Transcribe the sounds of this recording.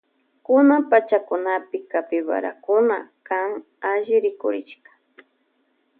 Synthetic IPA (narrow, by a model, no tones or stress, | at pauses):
kʊnampat͡ʃakʊnapɪkapɪwa̰ɾa̰kʊnakaŋ | aʒɪɾɪkʊ̰ɾɪʃkḁ